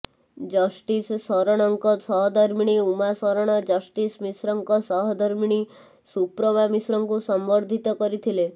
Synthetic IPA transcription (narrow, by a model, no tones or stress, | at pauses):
d͡ʒɔsʈissɔɾɔɽ̃ɔŋkɔsɔɦɔd̪ʱɔɾmiɽ̃iumasɔɾɔɽ̃ɔd͡ʒɔsʈismisɾɔŋkɔsɔɦɔd̪ʱɔɾmiɽ̃i | supɾɔmamisɾɔŋkusɔmbɔɾd̪ʱit̪ɔkɔɾit̪ʰile